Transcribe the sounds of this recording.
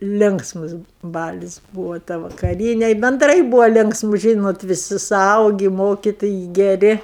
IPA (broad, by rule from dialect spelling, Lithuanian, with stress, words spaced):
ˈlʲɪŋksmʊs ˈbɑːlʲɪs ˈbuːʋoː tɐ ʋɐkɐˈrʲiːnʲɛ bʲɛnˈdrɐɪ ˈbuːʋoː ˈlʲɪŋksmʊ ˈʒʲiːnoːt ʋʲɪˈsʲɪ sʊˈɐʊɡʲɪ ˈmoːkʲɪtoːjɛɪ ɡʲɛˈrʲɪ